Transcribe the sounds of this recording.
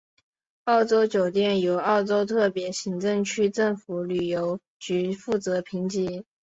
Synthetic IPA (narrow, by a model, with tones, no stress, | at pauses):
ɑ˥˩ʊʈ͡ʂo˥ʊt͡ɕjo˨˩ʊt̪jɛ˥˩njo˨˩ʊɑ˥˩ʊʈ͡ʂo˥ʊt̪ʰɤ˥˩pjɛ˧˥ɕi˧˥ŋʈ͡ʂɤ˥˧ŋt͡ɕʰy˥ʈ͡ʂɤ˥˩ŋfu˧˥ly˨˩jo˧˥ʊ | t͡ɕy˧˥fu˥˩t͡sɤ˧˥pʰi˧˥ŋt͡ɕi˧˥